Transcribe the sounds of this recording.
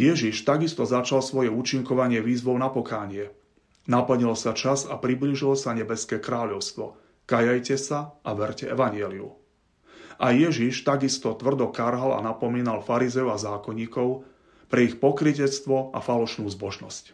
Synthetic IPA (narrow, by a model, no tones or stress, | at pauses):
jɛʒiʃt̪aɡist̪ɔzat͡ʃalsʋɔjɛuːt͡ʃiŋkɔʋaɲɪɛʋiːzʋɔʊnapɔkaːɲɪɛ | napl̩ɲilsat͡ʃazapɾibliʒilɔsaɲɛbɛskɛːkɾaːʎɔʊst̪ʋɔ | kajajcɛsaʔaʋɛɾcɛɛʋaɲɪɛːliṵ | ʔajɛʒiʃt̪aɡist̪ɔt̪ʋr̩d̪ɔkaɾɦala̰napɔmiːnalfaɾizɛjuazaːkɔɲːiːkɔʊ | pɾɛixpɔkɾicɛt͡st̪ʋɔʔa̰falɔʃnuːzbɔʒnɔsc